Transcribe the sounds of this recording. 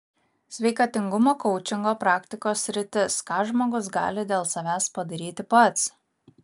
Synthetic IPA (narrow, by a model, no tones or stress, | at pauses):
sʲʋʲɛɪkɑːt̪ʲɪŋɡʊmoːkɔʊt͡ʃʲɪŋɡoːpɾɑːkt̪ʲɪkoːsːʲɾʲɪt̪ʲɪskɑːʒmoːɡʊs̬ɡɑ̰ːlʲɪd̪ʲeːlˠsɐʋʲæːspɐd̪ɐɾʲiːt̪ʲɪpɐt̪s